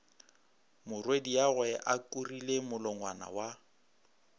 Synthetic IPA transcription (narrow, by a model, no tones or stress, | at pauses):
mʊrwediaɣwɛʔakʼurilemʊlɔŋwa̰na̰wa